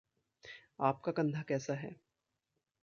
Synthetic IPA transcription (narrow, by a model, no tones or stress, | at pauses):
aːp̚kakɐ̃nd̪ʱakɛːsaɦɛ̰ː